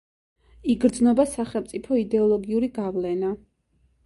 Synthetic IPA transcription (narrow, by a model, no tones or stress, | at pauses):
iɡɾd̪znɔbasaχɛlˠmt̪sʼipʰɔid̪ɛɔlˠɔɡiuɾiɡavlɛna